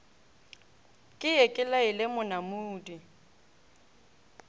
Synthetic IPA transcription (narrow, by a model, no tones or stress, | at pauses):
kʼɪjɛkʼɪlaɪlɪmʊnamuːdi